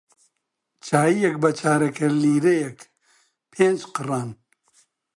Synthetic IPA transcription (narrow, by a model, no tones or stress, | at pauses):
t͡ʃaːijɐk̚bɐt͡ʃʰaːɾɐkʰɐɾliːɾejɐk | pʰeːnd͡ʒqɨraːn